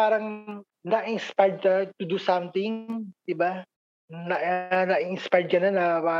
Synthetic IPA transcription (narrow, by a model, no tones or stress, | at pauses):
aːɾɐŋ | nɐʔɪnspajd̪̚ɐt̪ʊd̪usamt̪ɪŋd̪̥ɪba | nɐʔnɐʔɪɪnspajd̪̚kɐnonːɐpaː